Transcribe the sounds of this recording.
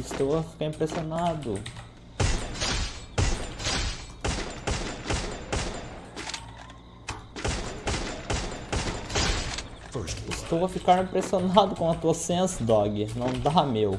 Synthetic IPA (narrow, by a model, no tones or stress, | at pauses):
ɪst̪owɐfi̥kaɾĩpɾesionad̪ʊ | ɪst̪owɐfikaɾĩpɾesionad̪ʊkõɐt̪uɐsẽsɐd̪ɔɡɪnɐ̃w̃d̪aamew